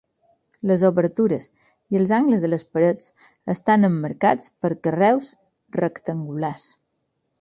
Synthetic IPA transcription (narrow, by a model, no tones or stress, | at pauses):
ləzoβəɾt̪uɾəs | iəlˠzaŋɡləzðələspəɾət͡s | əst̪anəmːəɾkat͡spəɾkərɛws | rəkt̪əŋɡulas